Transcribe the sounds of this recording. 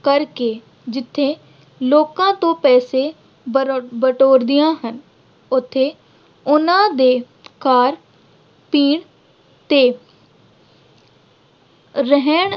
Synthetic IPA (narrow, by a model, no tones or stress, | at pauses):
kəɾkeː | d͡ʒɪt̪ʰːeː | loːkãːt̪õːpɛːseː | bəʈoːɾd̪ɪjãːɦən | ʊt̪ʰːeː | ʊnãːd̪eː | kaːɾ | piːɳ | t̪eː | ɾɛɦɛɳ